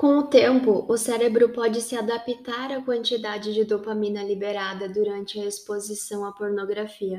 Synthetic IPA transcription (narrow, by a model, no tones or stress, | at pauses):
kõw̃ʊt̪ẽmpʊʔʊsɛɾebɾʊpɔd͡ʒɪsɪad̪apit̪aɾɐkwɐ̃nt͡ʃid̪ad͡ʒɪd͡ʒɪd̪opamĩnɐlibeɾad̪ɐd̪uɾɐ̃nt͡ʃɪɐespozisɐ̃w̃ɐpoɾnoɡɾafiɐ